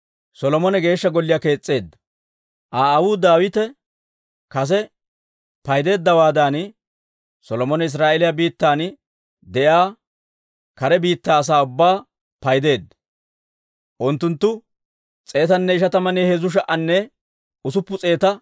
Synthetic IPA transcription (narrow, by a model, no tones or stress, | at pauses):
sɔlɔmɔnɛɡe̞ːʃːɐɡɔlːɪjake̞ːt͡sʼːe̞ːd̪ːɐ | ʔaːwʊːd̪aːwɪt̪ɛ | kɐs̬ɛ | pɐjd̪e̞ːd̪ːɐwaːd̪an | sɔlɔmɔnɛɪs̬ɾaːʔɛlɪjabiːt̪ːaːn | d̪ɛʔaː | kɐɾɛbiːt̪ːaːs̬aːʊbːaː | pɐjd̪e̞ːd̪ːɐ | ʔʊnt̪ːʊnt̪ːʊ | t͡sʼe̞ːt̪ɐnːɛɪʃɐt̪ɐmɐneːhɛzʊʃ̬ɐʔɐnːɛ | ʊsʊpːʊt͡sʼe̞ːt̪ɐ